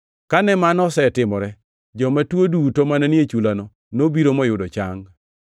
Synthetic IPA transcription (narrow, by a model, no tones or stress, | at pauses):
kanɛmanɔsɛtɪmɔɾɛ | d͡ʒɔmatwodutomanɛnɪet͡ʃulanɔ | nobiɾomɔjʊdɔt͡ʃaŋ